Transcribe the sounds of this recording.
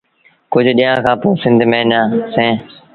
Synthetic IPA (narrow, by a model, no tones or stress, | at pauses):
kʊd͡ʒʱɗiːjãːkʰãːpoːsɪ̃nd̪ʱmẽːnãːsẽː